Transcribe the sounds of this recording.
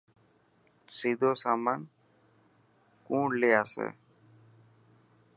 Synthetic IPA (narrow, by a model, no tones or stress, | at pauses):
siːd̪ʱoːsaːmaːn | kũːɳleːaːsḛː